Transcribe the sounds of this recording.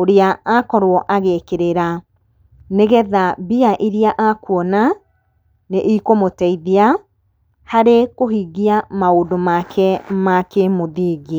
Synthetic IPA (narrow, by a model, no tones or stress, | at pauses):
oɾeaakɔɾwɔʔaɣekeɾeɾa | neɣɛðabiaʔiɾiaʔakwɔna | neʔikomotɛiðea | haɾekohiɣiamaodomakʰɛmakemoðiːɣi